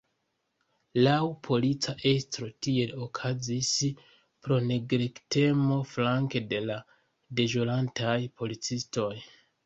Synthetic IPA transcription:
lawpʰo̞lit͡saʔe̞stɾo̞tie̞lo̞kʰazis | pɾo̞ne̞ɡɾekte̞mo̞flaŋke̞de̞la | de̞ʒolantʰajpʰo̞lit͡sisto̞j

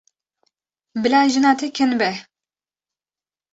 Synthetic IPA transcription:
bɨlaːʒɨnaːt̪ʰɛkʰɛnbɛ

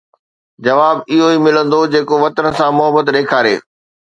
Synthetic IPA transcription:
d͡ʑɐʋaːbɪɦoimɪlə̃nd̪od͡ʑeːkoʋɐt̪ənəsãmʊɦəbət̪ɗeːkʰaːɾḛː

